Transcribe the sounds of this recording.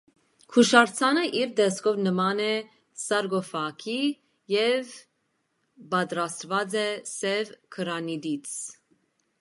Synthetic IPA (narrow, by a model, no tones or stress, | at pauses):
kʰuʃɑɾt͡sʰɑnəʔiɾd̪ɛskʰɔvnəmɑnɛ | sɑɾɡɔfɑkʰi | jɛv | bɑt̪ɾɑst̪vɑd͡zɛsɛvkʰəɾɑnid̪it͡sʰ